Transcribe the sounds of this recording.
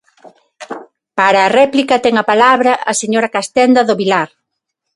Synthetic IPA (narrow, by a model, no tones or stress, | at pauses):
paɾaːrɛplikɐt̪ɛŋɐpalaβɾɐʔːseɲoɾɐkast̪ɛnd̪ɐðoβilaɾ